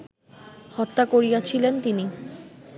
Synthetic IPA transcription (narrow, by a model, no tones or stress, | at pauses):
hɔt̪ːakoɾijat͡ɕʰilent̪ini